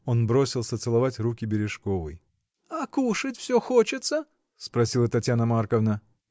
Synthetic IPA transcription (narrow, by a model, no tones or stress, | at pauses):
o̞nbɾo̞sʲɪlˠsət̪sɨlˠɐvatʲrukʲɪbʲɪɾʲɪʂko̞vɨ̰j | akuʂɨtʲfsʲɵxot͡ɕɪt̪sə | spɾɐsʲilˠət̪ɐtʲjanəmarkəvnə